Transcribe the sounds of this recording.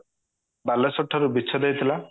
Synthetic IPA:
balesɔʈʰːɔɾubit͡ʃʰɔd̪ejt̪ʰila

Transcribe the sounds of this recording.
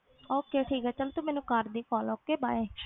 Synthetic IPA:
oːkeːʈʰiːkɦɛːt͡ʃəlt̪omɛːnũkəɾd̪iːkʰɔːloːkeːbaːe

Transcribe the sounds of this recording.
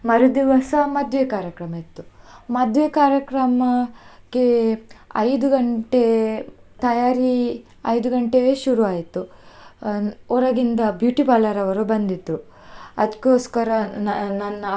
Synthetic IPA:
mɐɾud̪iʋɐsɐmɐd̪ʱʋekaːɾjɐkɾɐmɐit̪ːumɐd̪ʱʋekaːɾjɐkɾɐmɐkeɐjd̪uɡɐɳʈet̪ɐjaːɾi | ɐjd̪uɡɐɳʈeʋeːʃuɾuaːjit̪ːu | ɔɾɐɡind̪ɐbjuːʈibaːlɐɾɐʋɐɾubɐnd̪it̪ːu | ɐd̪kːoːskɐɾɐnɐnːɐ

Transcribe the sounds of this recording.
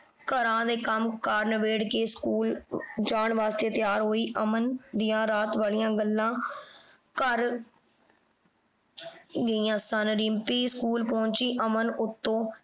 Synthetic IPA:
kəɾãːd̪eːkəmkaːɾnʋeːɽkeːskuːld͡ʒaːɳʋaːst̪eːt̪ɪjaːɾɦoːiːʔəmənd̪ɪjãːɾaːt̪ʋaːlijãːɡəlːãː | kəɾ | ɡəiːãːsənɾɪmpiːskuːlpɔ̃ːɲt͡ʃiːʔəmənʊt̪ːõː

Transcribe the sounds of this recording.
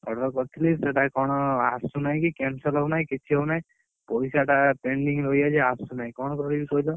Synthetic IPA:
ɔ̰ɽɔkɔt̪ʰliseʈakɔɽ̃ɔasunajkikensɔlɔnajkit͡ʃʰiɦɔwnaj | pɔisaʈapeɳɖiŋɾojaeasunajkɔɳ̃ɔkɔɾibikɔɦilɔ

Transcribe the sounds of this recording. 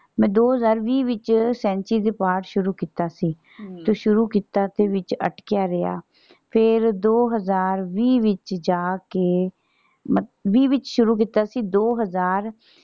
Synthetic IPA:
mɛ̃ːd̪oːɦəzaːɾʋiːʋɪt͡ʃsɛ̃ːnt͡ʃiːd̪eːpaːɾʈʃʊɾuːkiːt̪aːsiː | t̪oːʃʊɾuːkiːt̪aːt̪eːʋɪt͡ʃə̰ʈkɪjaːɾea̰ː | pʰɪɾd̪oːɦəzaːɾʋiːʋɪt͡ʃd͡ʒaːkeː | məʋiːʋɪt͡ʃʃʊɾuːk̬iːt̪aːsiːd̪oːɦəzaːɾ

